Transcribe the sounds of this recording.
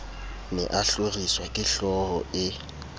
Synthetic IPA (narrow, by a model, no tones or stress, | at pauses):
nɛ̰ʔaɬoriswakʼɪɬɔɣɔ̰ɪ